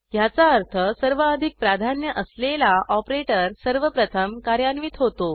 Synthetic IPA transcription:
jat͡saəɾt̪ʰəsəɾʋəəd̪ʱik̚pɾad̪ʱanjəʔəslelaʔɔpɾeʈəɾsəɾʋəpɾət̪ʰəmkaɾjanʋit̪ɦot̪o

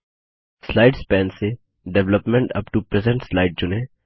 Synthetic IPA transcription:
slaɪɖspɛ̃ːnse | ɖɛʋləpmɛ̃ɳʈɐ̰pʈupɾɛzə̃ɳʈslaɪɖ̚d͡ʒʊne

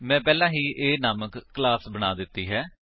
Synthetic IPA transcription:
mɛ̃ːpɛːlãːɦiːʔeːnaːməkːlaːsbəñaːd̪ɪt̪ːiːɦɛː

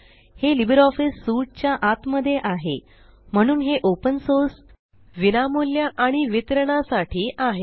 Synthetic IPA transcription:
helibəɾɔfisːuʈ̚t͡ɕjaʔat̪məd̪ʱːjeʔaɦḛ | m̤əɽ̃uːnɦeʔopənsoɾs | ʋinamuljaʔaɽ̃iʋit̪ɾəɽasaʈʰiːʔaɦe

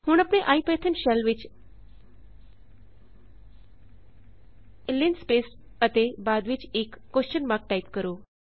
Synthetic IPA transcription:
huːɳapɽ̃ẽʔaipəjət̪ʰənɕalʋit͡ɕ | linspes | ət̪ebad̪ʋit͡ɕekːoɕt͡ɕənmak̚ʈait̪kəɾu

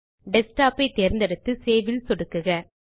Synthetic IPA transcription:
ɖɛsʈaːpɐɪt̪ːeːɾnd̪ɐɾɯt̪ːɯseːʋɪlsɔɽɯkːɯɣɐ

